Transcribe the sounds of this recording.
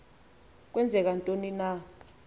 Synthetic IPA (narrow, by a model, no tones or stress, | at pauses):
k̬wɛnd͡zʱɛk̬antʼonina